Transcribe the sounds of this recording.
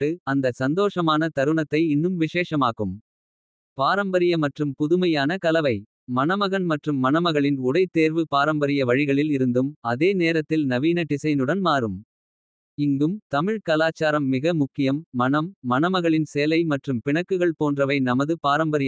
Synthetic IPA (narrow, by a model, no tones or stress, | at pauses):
ɯɐnd̪ɐsɐnd̪oːʂɐmaːnɐt̪ɐɾɯɳɐt̪ːɐɪɪnːɯmʋɪʂeːʂɐmaːɣɯm | paːɾɐmbɐɾɪjɐmɐʈrɯmpʊðɯmɐjaːnɐkɐlɐʋɐɪ | mɐnɐmɐɣɐnmɐʈrɯmːɐnɐmɐɣɐɭɪnʊɽɐɪt̪ːeːɾʋɯpaːɾɐmbɐɾɪjɐʋɐɻɪɣɐɭɪlɪɾɯnd̪ɯmɐðeːneːɾɐt̪ːɪlnɐʋiːnɐʈɪsɐɪnɯɽɐnmaːɾɯm | ɪŋɡɯmt̪ɐmɪɻkɐlaːt͡ʃːaːɾɐmːɪɣɐmʊkːɪjɐmːɐnɐmːɐnɐmɐɣɐɭɪnsejlɐɪmɐʈrɯmpɪɳɐkːɯɣɐɭpoːndrɐʋɐɪnɐmɐðɯpaːɾɐmbɐɾɪj